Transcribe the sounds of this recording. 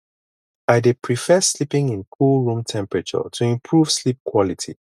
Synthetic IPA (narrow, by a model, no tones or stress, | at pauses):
aɪdepʰɹifɛslipɪ̃ŋĩnkʰulˠɹũmtʰɛ̃mpɹɛt͡ʃə̰tʰuĩmpʰɹuv̥slip̚kʰwɔlitʰḭ